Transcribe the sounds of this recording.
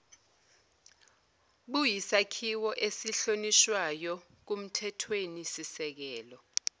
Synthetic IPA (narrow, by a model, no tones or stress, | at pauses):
ɓujisakʰiwɔʔesiɬoniʃwajɔ | k̬um̩tʰɛtʰwenisisɛk̬ɛːlɔ